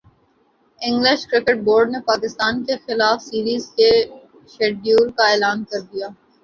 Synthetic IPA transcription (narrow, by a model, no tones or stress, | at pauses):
ɪ̃ŋɡlɪʃkɾɪkəʈ̚boːɾɖnepaːkɪst̪aːnkexɪlaːfsiːɾiːzke | ʃeːɖjuːɾkaeːlaːnkɐɾd̪ijaː